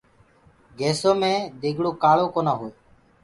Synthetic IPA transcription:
ɡeːsoːmẽːd̪eːɡɽoːkaːɭoːkoːnaːɦoːeː

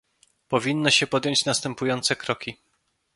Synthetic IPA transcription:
pɔvʲinːɔɕɛpɔd̪jɔɲt͡ɕnast̪ɛmpujɔnt̪sɛkɾɔkʲi

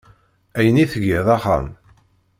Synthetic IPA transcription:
æjəniθəɡɪðˤɑχæ̰m

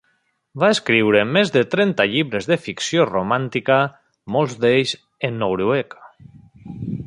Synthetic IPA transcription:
baeskɾiwɾemezðet̪ɾɛnt̪aʎiβɾezðefiksjoromant̪ika | molˠzd̪eʎz | enːowɾuek

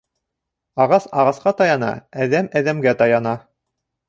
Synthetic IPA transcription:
ɑʁɑsɑʁɑsqɑt̪ɑjɑnɑ̰æðæmæðæmɡæt̪ɑjɑnɑ

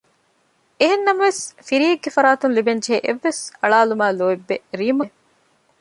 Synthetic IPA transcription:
eɦenːɐmɐʋesfiɾiːeɡːefɐɾaːt̪unlibend͡ʒeʔeʋːesɐɭaːlumaːloːebːeɾiːmɐ

